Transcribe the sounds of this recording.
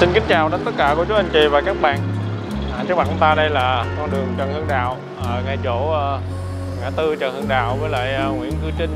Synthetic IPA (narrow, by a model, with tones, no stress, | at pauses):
si˧nkï˨˦ŋ̟t͡ɕaː˨˩wɗə˨˦nt̪ə˦˥t̚kaː˧˩ku˧˩˦t͡ɕu˨˦˥ʔa˧ŋ̟t͡ɕḭ˧˨˩vaː˨˩kaː˦˥k̚ɓa̰ː˧˨nː˨˩ | t͡ɕɨ˦˥k̚ma˨˩t̚ʔʊ˧ŋ͡mt̪aː˧ɗə˧jlaː˨˩kɔ˧nɗɨ˨˩əŋt͡ɕə˨˩nhɨ˧əŋɗa̰ː˧˨w | ʔəː˨˩ŋa˨˩jt͡ɕo˧˩˧ | ŋaː˧˩t̪ɨ˧t͡ɕə˨˩hɨ˧əŋɗa̰ː˧˨wvəː˨˦jla̰ː˧˨jŋwḭ˧˥ənkɨ˧t͡ɕï˧ŋ̟